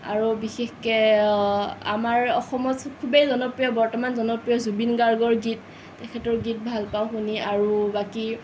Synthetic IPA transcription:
a̰ɹubixexkɛ | a̰maɹɔxɔmɔtkʰubejzɔnɔpɹijɔbɔɹtɔmanzɔnɔpɹijɔzubinɡaɹɡɔɹɡitː | ɛkʰɛtɔɹɡit̚bʱalpawxuniaɹubaki

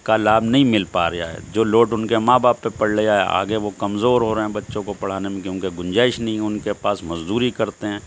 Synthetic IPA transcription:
kalaːbnɐɦĩmɪlpaːɾɐjaɦɛ̰d͡ʒoːloːʈʊnkemãːbaːpːepɐɽleaɦɛ̰a̰ːɡeʋokɐmzoːɾɦoːɾeɛ̃bɐtːʃõkopɐɽ̤aːnemẽkjõːkeɡʊ̃nd͡ʒaːɪʃnɐɦĩʊnkepaːsmɐzd̪uːɾikɐɾt̪eɦɛ̃ː

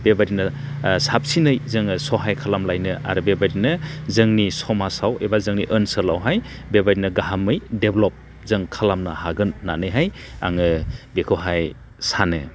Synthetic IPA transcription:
bebaɾinɯ | sap̚sinɯjzɯŋɯsɔɦajkʰalamlajnɯa̰ɾɯbebaɾinɯzɯŋnisɔmasawebazɯŋniʔənsɯlawɦajbebadinɯɡaɦamɯjdeblɔp̚ | zɯŋkʰalamnahaɡɯnːanɯjɦaj | a̰ŋɯbekʰɔɦaj | sanɯ̰

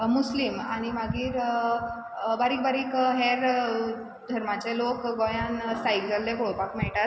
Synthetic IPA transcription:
muslimaɽ̃imaɡiːɾ | baɾiːk̚baɾiːkɦeɾ | d̪ʱəɾmat͡ɕelokɡojansajild͡zəlːeɡoɭpakmɛɭʈat̪̚

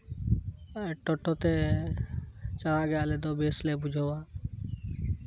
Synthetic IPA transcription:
ʈoʈoːt̪e | t͡ʃəɽaɡəjaleːd̪obeːslebʊd͡ʒʱowaː

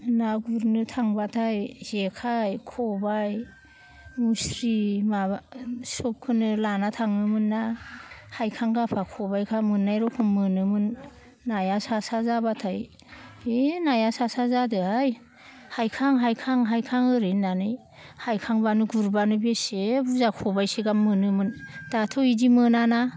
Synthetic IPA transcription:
naɡuɾnɯtʰaŋbatʰajzekʰajkʰɔbaj | musɾimasɔp̚kʰɯnɯlanatʰaŋnɯmɯnːahajkʰaŋɡapʰakʰɔbajkʰamɯnːajɾɔkʰɯmmɯnɯmɯnː | ajasasazabatʰaj | enajasasazadɯaj | hajkʰaŋɦajkʰaŋɦajkʰaŋɯɾinːanɯj | hajkʰaŋbanɯɡuɾbanɯbesebuzakʰɔbajseɡamːɯnɯmɯndatʰoidimɯnana

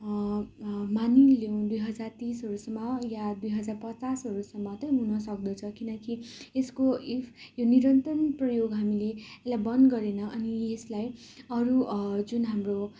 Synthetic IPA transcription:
manilew̃d̪ujɦʌd͡zart̪isɦʌɾusʌmːʌjad̪ujɦʌd͡zarpʌt͡sasɦʌɾusʌmːʌt̪ʌɦunʌs̬ʌk̚d̪ʌt͡sʰʌkinʌkieskoijoniɾʌnt̪ʌnprʌjoɡɦamileelajbʌnɡʌɾenʌʔʌnieslaj | ʌɾud͡zunɦamro

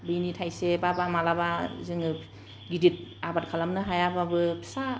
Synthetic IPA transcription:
bɯjnitʰajsebabamalabazɯŋɯ | ɡidit̚abat̚kʰalamnɯɦajababɯpʰi̥sa

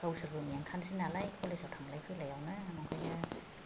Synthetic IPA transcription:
awsɯumiaŋkʰansinalajpʰɔlesawtʰamlajpʰɯjlajawnɯamɔŋkʰɯjna

